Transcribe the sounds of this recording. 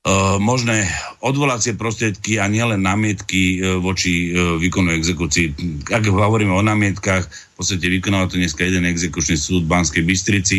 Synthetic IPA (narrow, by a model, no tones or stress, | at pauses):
mɔʒnɛːɔd̪ʋɔlat͡sɪɛpɾɔst̪ɾɪɛt̪kiaɲɪɛlɛnːaːmɪɛt̪kiʋɔt͡ʃiʋiːkɔnuɛɡzɛkuːt͡siːaɡɦɔʋɔɾiːmɛɔnaːmɪɛt̪kax | pɔtt͡st̪acɛʋikɔnaːʋat̪ɔɲɛskajɛd̪ɛnɛɡzɛkut͡ʃnisuːd̪banskɛjbist̪ɾit͡si